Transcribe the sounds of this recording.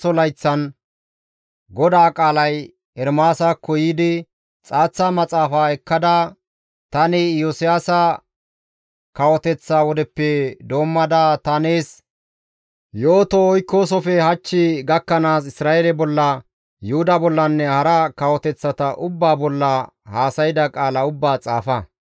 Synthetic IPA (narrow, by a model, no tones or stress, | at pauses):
ɔlɐjt͡sːɐn | ɡɔd̪aːkʼaːlɐj | ɛɾmaːsakɔjiːd̪ɪ | t͡sʼaːt͡sːamɐt͡sʼaːfaːɛkːɐd̪ɐ | t̪ɐnɪjosɪjaːsɐ | kɐwɔt̪ɛt͡sːawɔd̪ɛpːɛd̪o̞ːmːɐd̪aːt̪ɐneːs | jo̞ːt̪ɔɔjkːoːs̬ɔfɛhɐt͡ʃːɪɡɐkːɐnaːsɪsɾaːeːlɛbɔlːɐ | jʊhʊd̪ɐbɔlːɐnːɛhɐɾɐkɐwɔt̪ɛt͡sːɐt̪ɐʔʊbːaːbɔlːɐ | haːsɐjɪd̪ɐkʼaːlɐʊbːaːt͡sʼa̰ːfɐ